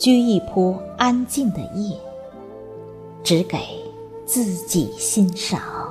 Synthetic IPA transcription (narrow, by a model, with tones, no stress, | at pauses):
t͡ɕy˥i˥˩pʰɔ˥a˥nt͡ɕi˥˩ŋd̪ə̰˩jɛ˥˩ | ʈ͡ʂɻ̩˧˥ke˨˩˦ɪ | t͡sɹ̩˥˩t͡ɕi˨˩ɕi˥nʂɑ˨˩˦